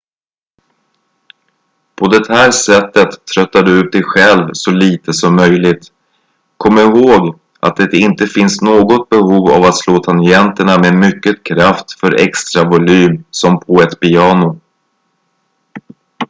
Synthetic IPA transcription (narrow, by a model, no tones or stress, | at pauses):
pʰɔd̪ɛhæːɾsɛt̪ːət̪ʰːɾœt̪ːaɖ̪ɵɵp̚d̪ɛjɧɛlvsɔliːt̪əsɔmːœjlɪt̪ | kʰɔmːɪɾhoːɡ | ʔat̪̚d̪ɛɪnt̪əfɪnsnoːɡɔt̪̚bɛhuːva̰vat̪sloːt̪ʰanjɛnt̪əɳamemʏkːət̪kʰɾaft̪fœɾʔɛ̰kst̪ɾavʊlyːmsɔmpʰɔɛt̪pɪɑːnʊ